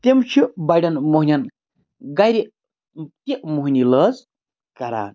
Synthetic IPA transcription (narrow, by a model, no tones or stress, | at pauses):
t̪emt͡ʃʰibajɖɐnmoɦnʲan | ɡajɾi | t̪iʔmuɦniləz | kɐɾa̰ːn